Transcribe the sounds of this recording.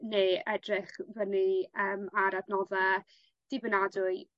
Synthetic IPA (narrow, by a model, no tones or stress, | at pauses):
neːɛdrɪχvəniəːmaɾadnɔða | d̥ibənadʊɨ